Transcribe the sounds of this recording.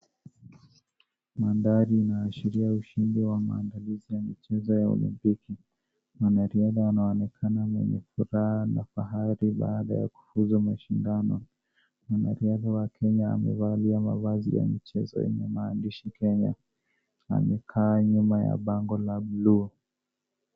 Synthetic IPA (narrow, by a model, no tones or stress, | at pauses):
mandaɾiːnaːʃiɾiauʃindiwama̰ːndalizijamit͡ʃɛzɔjaṵlḭmpiki | wanaɾiaðawanaɔnɛkʰananɛ̰ɲɛfuɾaanafaɦaɾiɓaːɗa̰ja̰ku̥fuzumaʃindanɔ | wana̰ɾiaðawakʰɛɲa̰ːmɛ̰valiamavazḭja̰mit͡ʃɛzɔ̰ɛ̰ɲɛmaːndiʃikɛɲa̰ | a̰mɛkʰaːɲumaja̰ɓaŋɡɔlaɓlu